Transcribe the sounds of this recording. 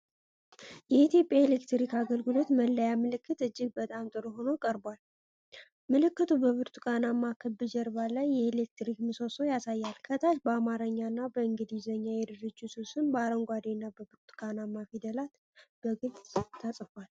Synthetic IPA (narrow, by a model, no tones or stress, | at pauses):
jɛit̪ʰjo̞pʼjaelekt̪ɾikaɡəlɡɨlo̞t̪məlːəjamɨlɨkʰːɨt̪ɨd͡ʒːɪɡ̚bət̪ʼamt̪ʼɨɾuɦo̞nokʼəɾbwal | mɨlɨkːɨt̪ʰubəβɨɾt̪ʰu̥kʼanamːakʰɨbːɨd͡ʒɛɾbalajːɛelek̚t̪ɾikmɨsosojasajːalkʰət̪ʰaʃbəamaɾəɲːanːabəɨŋɡɨd̪izəɲːajɛd̪ɨɾɨd͡ʒːususɨnbaɾəŋɡʷad̪enːabəbɨɾt̪ʰu̥kʼanamːafid̪əlat̪ | b̥əɡɨlʼt̪ʰasʼfal